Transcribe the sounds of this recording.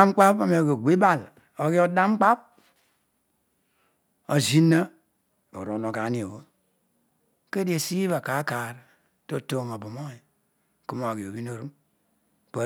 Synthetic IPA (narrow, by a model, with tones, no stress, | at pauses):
a˦m˦k͡pa˦pa˨me˨o˨ɡo˨ɡ͡bi˦ba˦˨l | o˨ɡi˦o˦da˦m˦k͡pa˦p̚ | o˨zi˦nːa˦ | o̰˨ɾo˨no˨ka˨˦ni˨o˨wo˦ | ke˦di˦e˨si˦βa˨ka˨˦ka˨ɾ | to˦to˨ŋa˨bu˨mo˦i˨ | ku˦ma˨ɡi˨o˨bi˦no˨ɾu˦m | pa˨